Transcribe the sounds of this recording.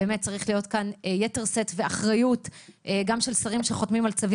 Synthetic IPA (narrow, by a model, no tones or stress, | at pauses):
eːmet̚t͡saʁiχlijotkaneje̞te̞ʁse̞t̪ve̞aχʁajuteɡamʃe̞lsaʁimʃe̞χo̞tmimalt͡savi